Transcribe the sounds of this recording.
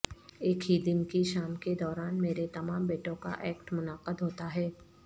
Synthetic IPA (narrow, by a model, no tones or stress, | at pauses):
eːkʰɦid̪ɪnkiʃaːmked̪ɔːɾaːnmeːɾet̪ɐmãːmbeːʈõka̰ʔɛːkʈmʊnaːqəd̪ɦoːt̪aɦɛː